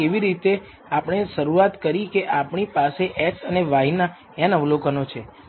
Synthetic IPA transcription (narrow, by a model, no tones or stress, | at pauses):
eʋiɾit̪e | apɳ̃eʃəɾuat̪kəɾikeʔapɳ̃ipaseʔɛksəneʋaɦina | ɛ̃nəʋlokənot͡ʃʰe